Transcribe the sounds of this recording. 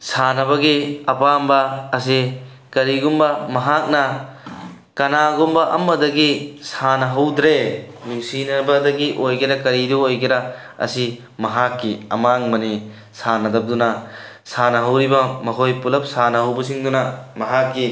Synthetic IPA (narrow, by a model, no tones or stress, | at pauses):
sanɐbɐɡiɐpambɐːs̬i | kɐɾiɡumbɐmɐɦak̚nɐ | kɐnaɡumbɐʔɐ̰mːɐdɐɡisanɐɦɐwd̪ɾenusinɐbɐdɐɡiʔojɡeɾɐkɐɾiduojɡeɾɐ | ɐ̰si | mɐɦakːiɐ̰maŋmɐni | sanɐdɐp̚d̪unɐ | sanɐɦɐwɾibɐmɐɦojpulɐp̚sanɐɦɐwbɐs̬iŋdunɐmɐɦakːi